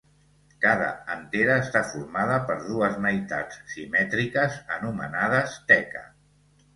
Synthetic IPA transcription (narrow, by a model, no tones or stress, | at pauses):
kaðə̰ənt̪eɾəːst̪afuɾmað̞əpəɾðuəzməjt̪a̰t͡sːimɛt̪ɾikəzə̰numə̰naðəst̪ɛkə̰